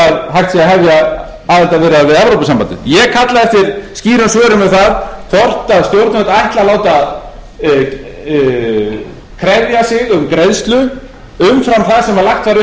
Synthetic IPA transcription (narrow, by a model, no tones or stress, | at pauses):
aðɦajht̪siaɦɛvja | aːðɛlt̪avɪɾɪaðvɪðɛvɾowpasampant̪ɪ̰njɛɣkʰat̪laðɛft̪ɪɾ̥sciːɾʏmsvœːɾʏmɪðθaðkʰɔr̥t̪aðst̪jowɾt̪nvɛt̪aajht̪lalaːwt̪aað | kʰɾɛðjasɪɣʏmkɾeðst̪lʏ | ʏmfɾamθaðsɛmaɾlajxt̪faɾʏ